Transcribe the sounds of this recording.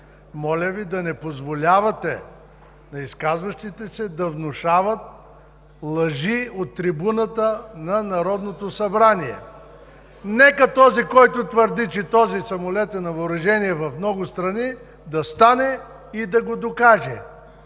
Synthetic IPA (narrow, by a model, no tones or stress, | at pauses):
mɔlʲɐvid̪ɐnɛpozvolʲavɐt̪ɛ | nɐiskazvɐʃt̪it̪ɛsɛd̪ɐvnʊʃavɐt̪̚ | lˠɐʒiot̪ːɾibunət̪ənɐnɐɾɔd̪not̪osɐbɾaniɛ̰ | nɛkɐt̪ɔzikɔjt̪ʊt̪vəɾd̪it͡ʃɛt̪ɔzisɐmolɛt̪ɛnɐvɐɾɐʒɛniɛvɐfmnɔɡʊst̪ɾɐni | d̪ɐst̪anɛ | id̪ɐɡod̪okaʒɛ